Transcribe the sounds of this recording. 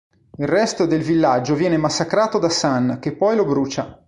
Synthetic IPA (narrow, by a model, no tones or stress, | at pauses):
ilrɛst̪od̪elvilːad͡ʒːovjɛːnemasːakɾaːt̪od̪asank̟epːɔjlobɾuːt͡ʃa